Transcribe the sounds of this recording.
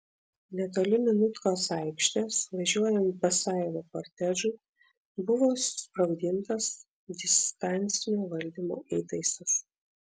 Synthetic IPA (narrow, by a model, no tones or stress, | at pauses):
nʲɛt̪oːlʲɪmʲɪnʊt̪koːsɑˑɪkʲʃʲt̪ʲɛsʋɐʒʲuɔjɛnt̪̚bɐsɑˑɪlokoɾʲt̪ʲɛʒʊɪ | bʊʋoːsʊ̥spɾɐʊd̪ʲɪnt̪ɐs | d̪ʲɪst̪ɑnʲˑt̪sʲɪnʲoːʋɐlʲd̪ʲiːmoːʔiːt̪ɐɪsɐs